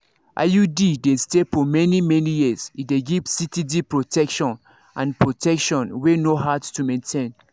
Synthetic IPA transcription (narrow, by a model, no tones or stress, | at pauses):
ʔa̰judidestefɔmɛnimɛnijizideɡivsitidipɹotʰɛkʃɔ̃n | ʔã̰npʰɹotʰɛkʃɔ̃nwenohadstumẽntʰẽn